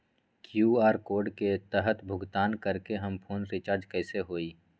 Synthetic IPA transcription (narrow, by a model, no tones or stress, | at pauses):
kjuːaːɾkoːɾɖket̪əɦət̪bʱʊɡt̪aːnkəɾkeɦɐmpʰoːnɾɪt͡ʃaːɾd͡ʒkɛːseɦoːiː